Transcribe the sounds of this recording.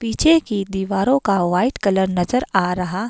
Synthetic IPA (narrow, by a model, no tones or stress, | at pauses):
piːt͡ʃʰekid̪iːʋaːɾõkaʋaːɪʈkɐləɾnɐzəɾaːɾɐɦa